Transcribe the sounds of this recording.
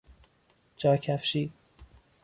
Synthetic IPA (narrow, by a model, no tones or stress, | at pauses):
d͡ʒɒːcʰæfʃiː